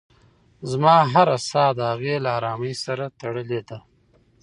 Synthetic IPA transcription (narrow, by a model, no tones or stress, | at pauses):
zmɑːɦaɾasɑd̪əhaɣelaaɾɑːməjsaɾat̪aɽəled̪a